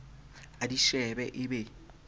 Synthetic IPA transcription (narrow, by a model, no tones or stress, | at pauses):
adiʃɛbɛʔɪbɛ